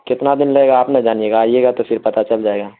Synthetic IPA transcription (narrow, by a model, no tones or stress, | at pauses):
kɪt̪nad̪ɪnlɐeːɡaːpnɐd͡ʒaːnijeːɡaːijeːɡat̪ofɪɾpɐt̪at͡ʃɐld͡ʒaːeːɡaː